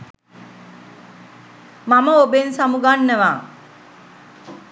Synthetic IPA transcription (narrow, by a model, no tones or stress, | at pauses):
maməobensamuɡanːəʋaː